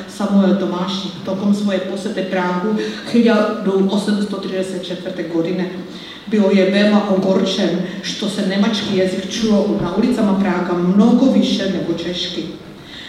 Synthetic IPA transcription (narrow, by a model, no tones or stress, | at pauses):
samuɛlt̪ɔmaːʃɲiːkft̪ɔkɔmsʋɔjɛpɔsʋɛt̪ɛpɾaːɦuxiɟald̪umʔɔsɛmst̪ɔt̪ɾidɛsjat̪̚t͡ʃɛt̪ʋr̩t̪ɛɡɔdinɛ | biljɛvɛlaʔɔɡɔɾt͡ʃɛnʃt̪ɔsɛnɛmat͡ʃkijazikt͡ʃulɔʔnaulit͡samapɾaːɡamnɔɡɔviʃɛnɛɡɔt͡ʃɛʃki